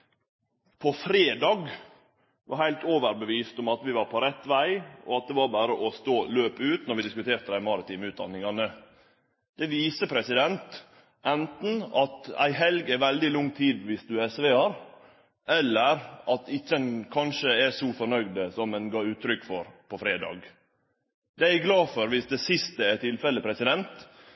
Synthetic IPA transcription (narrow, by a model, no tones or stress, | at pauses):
pʰɔfɾeːd̪ɑːɡ | ʋɑ̰hæɪlt̪oːʋəɾbəʋiːst̪ɔmɑt̪ʋɪʋɑɾpʰɔɾɛt̪ːʋæɪʔɔ̰ɑt̪̚d̪ɛʋɑɾbæːɾəʔɔst̪oːløːpəʉːt̪nɔɾʋɪd̪ɪskʉt̪ʰeːɾt̪əd̪æɪmɑɾɪt̪iːməʉːd̪ɑ̰nːɪŋɑnə | d̪̥ɛʋiːsəpʰɾɛsɪd̪ɛnt̪ | ɛnt̪n̩ɑt̪æ̰ɪɦɛlɡæʋɛld̪ɪlʊŋːt̪ʰiːd̪ʋɪsd̪ʉɛsʋeːhɑɾ | ʔɛlːəɾʔɑt̪ɪçːəɛnkʰɑnʃəæsɔfɔɾnœɡd̪əsɔmɛnɡɑːʉːt̪ʰːɾʏkːfɔɾpʰɔfɾeːd̪ɑ̰ːɡ | d̪ɛæɡlɑːfɔɾʋɪsd̪ɛsɪst̪əæt̪ʰɪlfɛləpʰɾɛsɪd̪ɛnt̪